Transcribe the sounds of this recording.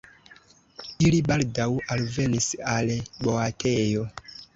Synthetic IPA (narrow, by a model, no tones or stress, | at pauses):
ilibaldawalve̞nisalbo̞atʰe̞jo̞